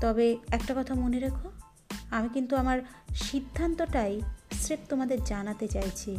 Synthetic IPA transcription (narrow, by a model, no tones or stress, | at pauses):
t̪ɔbeɛkʈakɔt̪ʰamoneɾekʰo | amikint̪uamaɾʃid̪ʱːant̪oʈajsɾep̚t̪omad̪eɾd͡ʑanat̪et͡ɕajt͡ɕʰi